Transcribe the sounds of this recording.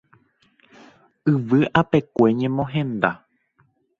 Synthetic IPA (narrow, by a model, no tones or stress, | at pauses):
ɨʋɨʔape̞kʷe̞ɲẽ̞mõɦẽ̞nd̪a